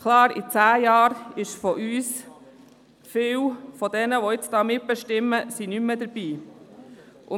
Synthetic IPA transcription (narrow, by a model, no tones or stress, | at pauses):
kʰlɑːɾḭt͡sæːjɑːɾɪʃfɔʔyːs | fɪwfɔd̥ɛnəʋɔɪt͡sd̥ɑːmɪt̚b̥ɛʃtɪmːəsinyməd̪əɾb̥iː | ʔʊ